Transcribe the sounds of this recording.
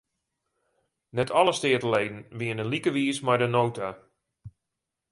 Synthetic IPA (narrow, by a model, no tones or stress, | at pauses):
nɛtʰɔləstɪətəlejdn̩ʋiənənlikəʋiəsmajdənowtʰa